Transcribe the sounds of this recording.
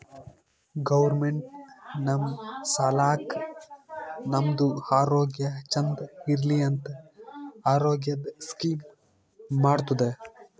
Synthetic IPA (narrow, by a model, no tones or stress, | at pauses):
ɡɐʋɐɾmeɳʈ̚nɐmsɐlaːk | nɐmd̪uaːɾoːɡjɐt͡ʃɐnd̪ɐiɾliɐnt̪ɐ | aːɾoːɡjɐd̪skiːmː | aːɽt̪ud̪e